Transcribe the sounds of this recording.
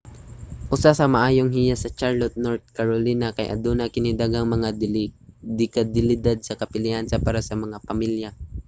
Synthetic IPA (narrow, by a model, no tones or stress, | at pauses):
ʔʊsasɐmɐʔaːjoŋɦɪjasɐt͡ʃaɹlot̪̚noɹt̪̚kɐɾolinɐkɐ̰jʔɐ̰d̪onɐkɪnɪd̪aɡɐŋmɐŋa | d̪ɪkɐd̪ɪlɪd̪ad̪̚sɐkɐpɪlihɐnsɐpaːɾasɐmɐŋapɐmilja